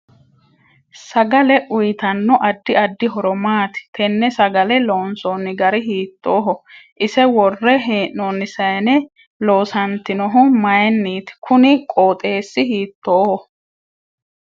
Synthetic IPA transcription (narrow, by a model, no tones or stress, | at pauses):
sɐɡɐlɛʔʊjɪt̪ɐnːɔʔɐd̪ːɪɐd̪ːɪɦɔɾɔmaːt̪ɪ̥t̪ʰɛnːɛsɐɡɐlɛlo̞ːnsoːnːɪɡɐɾɪɦiːt̪ːoːɦɔʔɪsɛwɔrːɛɦeːʔnɔnːɪsɐjnɛ | lo̞ːsɐnt̪ɪnɔɦʊmɐjɛnːiːt̪kʰʊnɪkʼoːt̪ʼe̞ːsːɪɦiːt̪ːoːhɔ